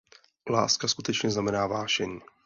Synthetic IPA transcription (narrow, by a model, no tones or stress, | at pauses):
la̰ːskaskut̪ɛt͡ʃɲɛznamɛnaːvaːʃɛɲiː